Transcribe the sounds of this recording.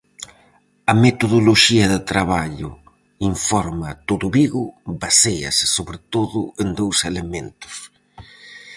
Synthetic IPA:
ɐmet̪oðoloʃiɐðɪt̪ɾaβaʎʊ̰ | iɱfɔɾmɐt̪oðʊβiɣʊβasejɐ̰sɪ̥soβɾɪt̪oðʊend̪owselemẽnt̪ʊ̥s

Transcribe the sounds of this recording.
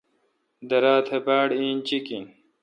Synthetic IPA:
d̪ɐɾaːt̪ʰebaːɽĩːnt͡ɕikĩ

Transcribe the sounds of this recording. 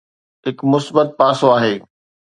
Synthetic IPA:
ɦɪkmʊsbət̪̚paːsoaːɦeː

